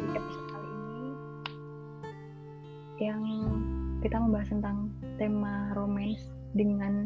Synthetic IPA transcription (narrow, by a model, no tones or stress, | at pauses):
episalini | jaŋ | kit̪amombaɦast̪ənt̪aŋt̪emaɾomɛns | dəŋan